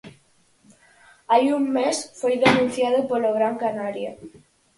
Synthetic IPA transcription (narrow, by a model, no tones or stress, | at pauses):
ajumːesfojðenũn̟θjaðopoloɣɾaŋkanaɾja